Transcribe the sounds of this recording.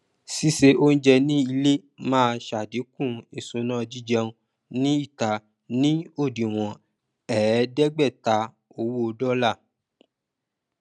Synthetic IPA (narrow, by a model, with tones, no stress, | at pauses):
si˦se˧ʔo˦n̩˦d͡ʒɛ˧nĩ˦i˧le˦mãː˦˧ʃa˨di˨˦kũ˦˨e˨sõ˨˧nã˦˧d͡ʒi˦˨d͡ʒɛ˧ũ˧ | nĩ˦i˦˨ta˨ | nĩ˦o˦˨di˨w̃ɔ̃˨ | ɛ˨ɛ˨˦dɛ˦ɡ͡bɛ˦˨ta˨˧ | o˧˨wo˦˧dɔ˦la˦˨